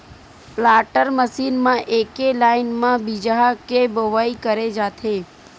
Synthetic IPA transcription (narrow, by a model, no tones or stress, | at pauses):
plaːʈəɾməsinmãʔekelaːinmãbid͡ʒaɦkeboʋaikəɾed͡ʒaːt̪ʰe